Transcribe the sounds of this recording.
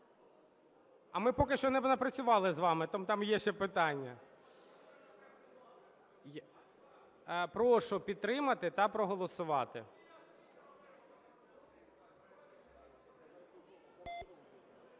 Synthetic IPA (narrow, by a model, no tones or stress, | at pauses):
ɐmɪpɔkɪʃt͡ʃɔnɛnɐpɾɐt͡sʲʊʋɑlˠɪzʋɑmɪt̪ɐmt̪ɑmjɛʃt͡ʃɛpɪt̪ɑnʲːɐ | pɾɔʃʊpʲid̪̚t̪ɾɪmɐt̪ɪt̪ɐpɾɔɦɔlˠɔsʊʋɑt̪ɪ̰